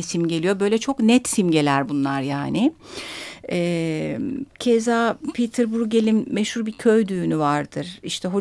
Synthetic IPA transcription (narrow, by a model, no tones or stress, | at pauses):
isimɟelʲijo̞bø̞jlʲɛt͡ʃʰo̞knɛt̪simɟe̞lʲæɾbunlˠaɾjaːnɪ | ɛː | cʰezaːpʰit̪ʰɯɾbuɾɟe̞lʲinːɛʃhuɾbicʰøjd̪yːnyvaɾd̪ɯɾ̥iʃt̪ʰɛɦo̞